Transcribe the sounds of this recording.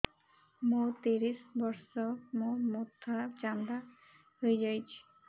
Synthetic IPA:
mũt̪iɾisbɔɾsɔmũmud̪ʰʱat͡ʃand̪a | ɦojd͡ʒajt͡ʃʰi̥

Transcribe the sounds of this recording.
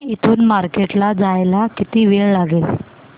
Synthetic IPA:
it̪ʰuːnmaɾkeʈlad͡zajlakit̪iːʋeɭlaɡel

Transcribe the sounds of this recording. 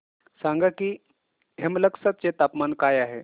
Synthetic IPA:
saŋɡakiː | ɦemləksat̪̚t͡set̪apmankajaɦe

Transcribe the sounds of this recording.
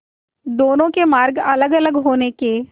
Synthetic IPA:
d̪oːnõkemaːɾɡɐləɡɐləɡɦoːneke

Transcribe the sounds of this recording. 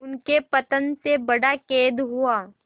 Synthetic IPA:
ʊnkepɐt̪ənsebɐɽakeːd̪ɦuaː

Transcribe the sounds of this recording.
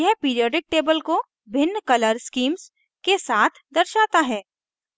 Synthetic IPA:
jɛɦpiːɾijɔːɖɪk̚ʈeːbəlko | bɪnːkɐləɾskiːms | kesaːt̪ʰd̪ɐɾʃaːt̪aɦɛː

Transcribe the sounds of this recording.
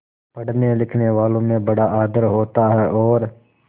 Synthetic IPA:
pɐɽ̤nelɪkʰneʋaːlõmẽbɐɽaʔaːd̪əɾɦoːt̪aɦɛʔɔːɾ

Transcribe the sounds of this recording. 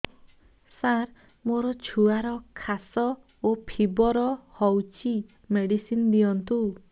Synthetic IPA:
saɾ | moɾɔt͡ʃʰuaɾɔkʰasɔ | opʰibɔɾɔhɔwt͡ʃʰi | meɽisind̪ijɔnt̪u

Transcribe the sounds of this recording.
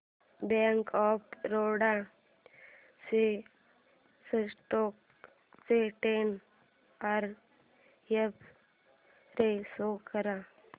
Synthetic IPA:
bẽːŋkɔːpɾoːɽa | se | səsʈoːk | seʈeːn | aɾ | jep | ɾesoːkəɾa

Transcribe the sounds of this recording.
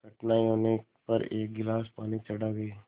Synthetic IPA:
kɐʈnaːioːne | pɐɾeːk̚ɡɪlaːspaːnit͡ʃɐɽaɡɐiː

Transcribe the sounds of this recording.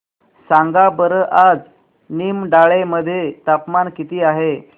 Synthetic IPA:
saŋɡabəɾəʔad͡z | nimɖaɭeməd̪ʱːjet̪apmankit̪iːaɦe

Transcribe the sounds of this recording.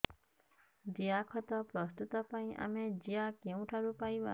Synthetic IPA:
d͡ʒiakʰɔt̪ɔpɾɔst̪ut̪ɔpaĩʔa̰med͡ʒiakew̃ʈʰaɾupajba̰

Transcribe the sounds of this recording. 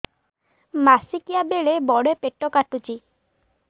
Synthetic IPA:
masikijabeɭebɔɽepeʈːɔkaʈut͡ʃi

